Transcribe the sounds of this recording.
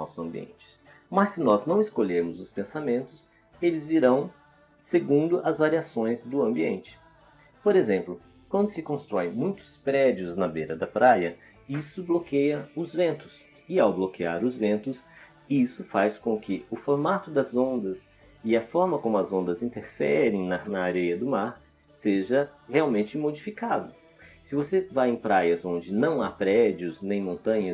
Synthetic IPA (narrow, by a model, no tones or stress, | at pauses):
ɔ̰sʊɐ̃mbiḛ̃nt͡ʃɪ̥ | mɐsːɪnɔznɐ̃w̃ɪskoʎeɾmʊzʊspẽsamẽnt̪ʊs | elɪzviɾɐ̃w̃ | seɡũnd̪ʊʔɐzvaɾiasõj̃zd̪ʊɐ̃mbiḛ̃nt͡ʃɪ̥ | poɾezẽmplʊ | kwɐ̃nd̪ʊsɪkõst̪ɾɔẽj̃mũj̃t̪ʊ̥spɾɛd͡ʒiʊznɐvejɾɐd̪ɐpɾʔajɐ | isʊblokejɐʊzvẽnt̪ʊ̥s | ɪawblokiaɾʊzvẽnt̪ʊs | isʊfajskõkʰɪʊfoɾmat̪ʊd̪ɐzõnd̪ɐs | ɪɐfɔɾmɐkõmʊɐzõnd̪ɐzĩnt̪eɾfɛɾẽj̃nɐnɐːɾejɐd̪ʊmaɾ | seʒɐheawmẽnt͡ʃɪmod͡ʒifikad̪ʊ | sɪvosevajẽj̃pɾajɐzõnd͡ʒɪnɐ̃w̃apɾɛd͡ʒiʊznẽj̃mõnt̪ɐ̃ɲɐ